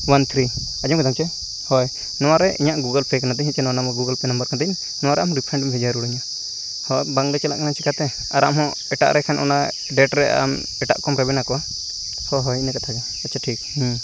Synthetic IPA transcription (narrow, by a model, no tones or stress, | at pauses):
want̪ʰɾi | ad͡ʒɔmkɔd̪amt͡ʃɛ | hɔj | nɔwaɾɛʔiɲaʔɡuɡəlpɛkanad̪iɲhɛt͡ʃɛnɔwanamɔɡuɡəlpɛnəmbəɾkʰand̪ɛɲ | nɔwaɾɛamɔɾipʰɾɛɳɖɔmpʰid͡ʒaɾuɽuɲa | hɔjbaŋlat͡ʃɛlaʔkanat͡ʃɛkat̪ɛ | aɾa̰mɦɔ̃ | ɛʈa̰ʔɾʔɛkʰanʔɔ̰na | ɖɛʈɾɛʔa̰m | ɛʈa̰ʔkɔmɾɛbɛnakɔwa | hɔɦɔjinɛkat̪ʰakɛ | at̚t͡ʃʰaʈʰik̚h